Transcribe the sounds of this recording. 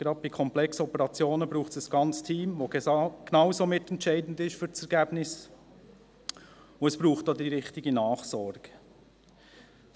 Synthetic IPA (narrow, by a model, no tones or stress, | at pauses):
ɡ̥ɾɑd̪̚bikʰɔmplɛksɔpəɾɑt͡sjoːnəbɾuːχtsəsɡ̥ɑnt͡stʰiːmʋoɡknɑwsomɪt̪ɛntt͡ʃɛɪdn̩dɪʃfyɾt͡sɛɾɡæːbnɪs | ʊɛsb̥ɾuːχtdodiɾɪχtɪɡənɑːχsɔɾɡ̥ə